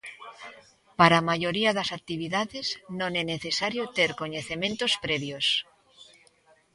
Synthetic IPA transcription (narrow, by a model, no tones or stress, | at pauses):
paɾamaʝoɾiaðasak̚t̪iβ̞iðaðeznõŋeneθesaɾjot̪eɾkoɲeθemẽnt̪ospɾeβjos